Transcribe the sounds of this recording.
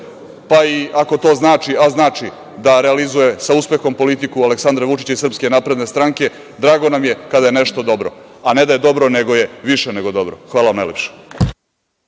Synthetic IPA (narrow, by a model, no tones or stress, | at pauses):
paiako̞t̪o̞ːznaːt͡ʂiaznaːt͡ʂi | d̪aɾealizuje̞sauspe̞xo̞mpolit̪ikualeksand̪ɾaʋut͡ʃi̥t͡ɕaisrpske̞naːpɾe̞d̪ne̞st̪ɾaŋke̞ | d̪ɾaːɡo̞namjekad̪ajene̞ʂt̪o̞d̪o̞bɾo̞̰ane̞d̪ajed̪o̞bɾone̞ɡo̞je̞ʋiʃene̞ɡo̞d̪o̞bɾoxʋaːlˠaamnajlepʂe̥